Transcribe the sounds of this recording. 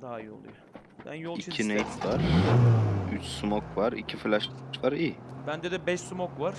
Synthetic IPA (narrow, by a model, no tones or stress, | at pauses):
d̪aajolˠu | bæ̰njoɪkʲʰinejt̪vaɾ | yt͡ʃʰsumokʰvaɾɪkʲʰɪflaʃvaɾibænd̪ɛd̪ɛbɛʃsumokvaɾ